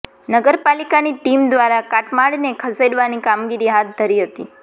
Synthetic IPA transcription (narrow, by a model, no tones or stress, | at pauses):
nəɡəɾpalikaniʈimd̪ʋaɾakaʈmaɽnekʰəseɖʋanikamɡiɾiɦat̪̚d̪ʱəɾiɦət̪i